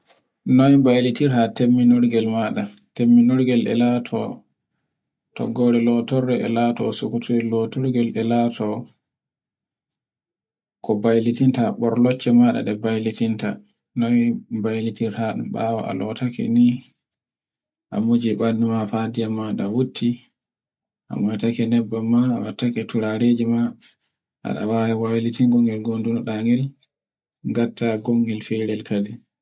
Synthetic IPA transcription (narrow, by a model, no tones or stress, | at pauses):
nɔjbajlitiɾhatemːinɔɾɡɛlmaɗa | temːinɔɾɡɛlʔɛ̰latʰɔ̰ | tɔ̰ɡɔɾɛlɔtɔɾɛɛ̰latɔsukutʰuɾilɔtɔɾɡɛlʔɛlatʰɔ | kɔbajlitintaɓɔɾlɔt͡ʃːɛmaɗa̰ɗɛbajlitinta | nɔjbajlitiɾtaɗ̰ɓa̰waʔa̰lɔtakɛ̰ni | ʔa̰mud͡ʒiɓanːimafadijamːaɗawutʰːi | ʔa̰mɔjtakɛnɛbːamːaːwatːakɛtuɾaɾeːd͡ʒima | ʔa̰ɗa̰wajɛwajlitiŋɡɔŋɡɛlɡondunɔɗaŋɡɛl | ɡatːaɡoŋɡɛlfɛɾɛlkadɛ